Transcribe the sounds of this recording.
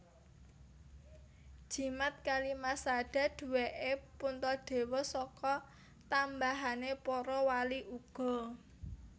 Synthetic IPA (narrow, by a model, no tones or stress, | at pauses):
d̥ʒ̥i̤mat̪̚kalimasaɖ̥a̤ɖ̪̥ṳweʔepunt̪ɔɖ̪̥e̤wɔsɔkɔ | t̪ambaɦanepɔɾɔwaliʔuɡ̥ɔ̤